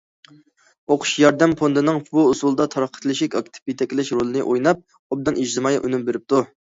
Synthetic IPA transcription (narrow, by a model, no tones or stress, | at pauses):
oqʰʊ̥ʃjɑɾd̪ɛmpond̪ɨnɨŋbuːsulˠɨd̪ɑt̪ʰɑɾɑqʰːət̪lˠɨʃɪkʲɑkt̪ʰɪ̥pit̪ʰɛkʲɪlɪʃɾolˠɨnɨʔojnɑp̚ | ob̚d̪ɨnid͡ʒd̪ɨmɑjɑʔynumbeɾɪp̚t̪ʰu